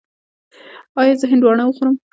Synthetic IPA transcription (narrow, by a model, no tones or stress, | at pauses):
ɑjɑzəɦɪnd̪wɑɳawəxoɾəm